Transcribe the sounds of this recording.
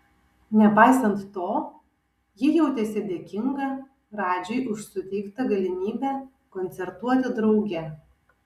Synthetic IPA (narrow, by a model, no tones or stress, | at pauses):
nʲɛpɑɪsɐnt̪ːoː | jɪjɛʊt̪ʲɛsʲɛd̪ʲeːkʲɪŋɡɐ | ɾɑːd͡ʒʲɛɪʔʊʃsʊt̪ʲɛɪkt̪ɐɡɐlʲɪmʲiːbʲæ | kɔnʲt̪sʲɛɾt̪uɔt̪ʲɪd̪ɾɒʊɡʲɛ